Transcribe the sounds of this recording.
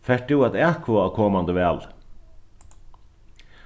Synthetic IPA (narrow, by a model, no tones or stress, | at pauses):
fɛʈʉːɑt̪æːkʰʋoːɑkʰɔːmɑnd̪əʋeːl